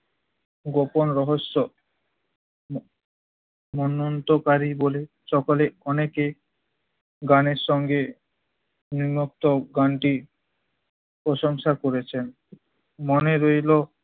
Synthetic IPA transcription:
ɡoponɾɔɦoʃːo | mɔnːont̪okaɾibole | ʃɔkoleɔneke | ɡaneɾʃɔŋɡe | nimok̚t̪oɡaɳʈi | pɾɔʃoŋʃakoɾet͡ɕʰen | moneɾojlo

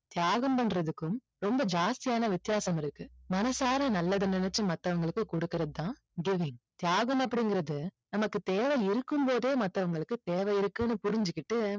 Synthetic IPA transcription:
t̪ɪjaːɣɐmpɐɳɾɐðɯkːɯm | ɾɔmbɐd͡ʒaːst̪ɪjaːnɐʋɪt̪ːɪjaːsɐmɪɾɯkːɯmɐnɐsaːɾɐnɐlːɐðɯnɪnɛt͡ʃːɯmɐt̪ːɐʋɐŋɡɐɭɯkːɯkʊɽɯkːɪɾɐðɯt̪ãː | ɡɪʋɪŋt̪jaːɣɐmɐpːɐɽɪŋɡɪɾɐðɯ | nɐmɐkːɯt̪eːʋɐɪɾɯkːɯmpoːðeːmɐt̪ːɐʋɐŋɡɐɭɯkːɯt̪eːʋɛjɪɾɯkːɯnːɯpʊɾɪɲd͡ʒɯkːɪʈːɯ

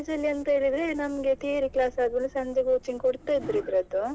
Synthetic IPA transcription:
d͡ʒɐlːiɐnt̪ɐɦeːɭid̪ɾenɐmɐɡe̞t̪ʰiɾiklaːsaːd̪ʋɐlːisɐɲd͡ʒeɡoːt͡ʃiŋɡkoɽt̪aid̪ɾid̪ɾɐd̪u

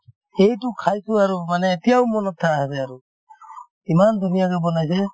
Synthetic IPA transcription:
xejtʊkʰajsʊaɹumanɛːtijawmɔnɔtʰːaaɦasɛaɹu | imandʱunijakɛbɔnajs̬ɛ

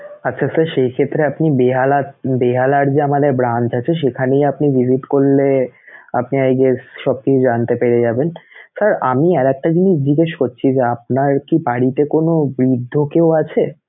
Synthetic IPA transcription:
atːɕʰasaɾʃejkʰet̪ːɾeapnibeɦalabeɦalaɾd͡ʑeamad̪eɾbɾant͡ɕat͡ɕʰeʃ̬ekʰanejapniviziʈkoɾlea̰pniajɡeʃɔb̚kit͡ɕʰud͡ʑant̪epeɾed͡ʑabensaɾamiɛɾɛk̚ʈad͡ʑiniʃd͡ʑiɡeʃkoɾt͡ɕʰid͡ʑeap̚naɾkibaɽit̪ekonobɾid̪ʱːokewat͡ɕʰe

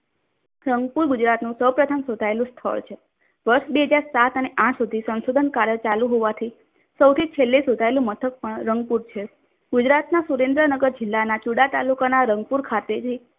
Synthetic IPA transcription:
ɾəŋɡ̚puɾɡud͡ʒɾat̪nũsəwpɾət̪ʰəmsod̪ʱaelũst̪ʰə̰ɭt͡ʃʰe | ʋəɾʃbeɦəd͡ʒaɾsat̪əneʔãʈsud̪ʱisənʃod̪ʱənkaɾjət͡ʃalũɦoʋat̪ʰi | səwt̪ʰit͡ʃʰelːisod̪ʱaelũmət̪ʰək̚pəɳɾəŋɡ̚puɾt͡ʃʰe | ɡud͡ʒɾat̪nasuɾend̪ɾənəɡəɾd͡ʒɪlːanat͡ʃuɽat̪alukanaɾəŋɡ̚puɾkʰat̪et̪ʰi

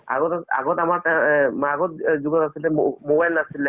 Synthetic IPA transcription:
a̰ɡɔtaa̰ɡɔtamaɹtɛmaɡɔt̚zuɡɔtasilɛmmobajlnasilɛ

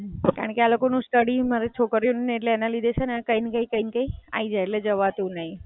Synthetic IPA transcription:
ka̰ɾəɳkealokonũsʈəɽimaɾɛt͡ʃʰokəɾjonəneeʈleːnalid̪et͡ʃʰenekəinkəikəinkəia̰id͡ʒaeʈled͡ʒəʋat̪ũnaĩ

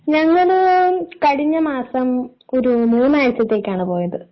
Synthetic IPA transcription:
ɲɐŋːɐɭkɐɽiɲːɐmaːsɐm | o̞ɾuneːnaːjɐt͡ɕːɐt̪ːe̞ːkʲːaːɳɨpo̞ːjɐðɨ

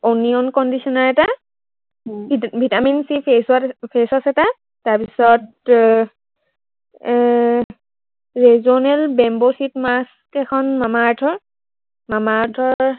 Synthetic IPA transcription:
oniɔnkɔndisɔnaɹɛta | bʱitaminsipesapʰesɔsɛta | taɹpisɔt | ɹɛzɔnɛlbɛmbɔsitmas | kɛkʰɔnmamaːtʰɔɹ | mamaːtʰɔ

